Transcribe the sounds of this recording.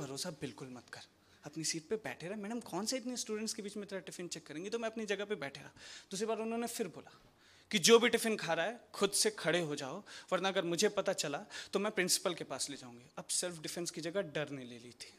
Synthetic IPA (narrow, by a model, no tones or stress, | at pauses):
bʱɐɾoːsabɪlkʊlmɐt̪kɐɾ | ɐpnisiːʈ̚pebɛ̰ːʈʰeɾɦmɛ̃ːneɦɐmkɔːnseɪt̪nisʈuːɖə̃ɳʈskebiːt͡ʃmẽt̪ɐɾəʈɪfɪnt͡ʃɛkːɐɾẽːŋɡit̪omɛ̃ɐpnid͡ʒɐɡəpebɛːʈʰeɾaːd̪uːsɾibaːɾʊnɦõːnefɪɾboːla̰ː | kid͡ʒoːbʱiʈɪfɪnkʰaːɾaɦɛːxʰʊd̪sekʰɐɽeɦod͡ʒa̰ːoʋɐɾnaɐɡəɾmʊd͡ʒʱepɐt̪at͡ʃɐlat̪omɛ̃ːpɾɪ̃nsɪ̥pəlkepaːsleːd͡ʒa̰ːũːŋɡiɐbsɛlfʰɖɪfɛ̃nskid͡ʒɐɡəɖɐɾnelḛːlit̪ʰi̥ː